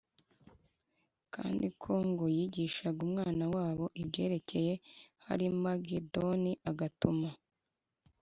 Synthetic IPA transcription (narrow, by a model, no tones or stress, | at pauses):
ka̰ːndikʰo̞ŋɡojiɟiːʃaɡumŋaːnawaːβo̞ʔibɟe̞ːɾe̞ce̞je̞ha̰ɾimaɡedoniʔaɡatuma